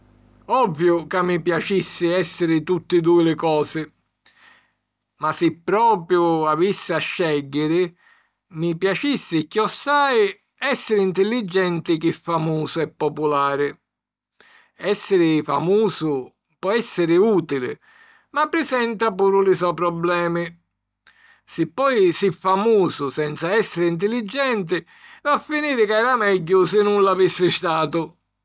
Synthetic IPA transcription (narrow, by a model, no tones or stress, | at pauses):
ɔvːjʊkamːipjat͡ʃisːɪɛsːɪɾɪt̪ut̪ːɪd̪uɪlɪkɔːsɪ | masɪpːɾɔːpɾjʊavisːɪaʃːɛɟːɪɾɪ | mipjat͡ʃisːɪkːjɔsːaːj | ɛsːɪɾɪint̪ɪlːid͡ʒːɛnt̪ɪkɪfːamuːsʊɛpːɔpulaːɾɪ | ɛsːɪɾɪfa̰muːsʊ | pɔɛsːɪɾɪuːt̪ilɪ̰ | mapːɾɪsɛnt̪apuːɾʊlɪsɔpɾɔblɛːmɪ | sɪpːɔjsifːamuːsʊsɛnt̪saɛsːɪɾɪint̪̬ɪlːid͡ʒːɛnt̪̬ɪ | vafːiniːɾɪkɛːɾamɛɟːʊsɪnːunlavisːɪst̪aːt̪ʊ